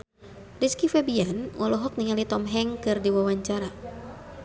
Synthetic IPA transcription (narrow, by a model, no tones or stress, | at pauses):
riskifɛbianwʔɔlɔɦɔk̚niŋalit̪ɔmɦɛŋkɨrdiwawaɲt͡ʃaɾa